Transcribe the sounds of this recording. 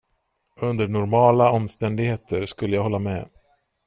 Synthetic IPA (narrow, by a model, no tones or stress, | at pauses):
ɵnd̪əɳʊɾmɑːlaɔmst̪ɛnd̪ɪɡheːt̪ʰəɾʂkɵlːəjaːɡhɔlːamɛ̰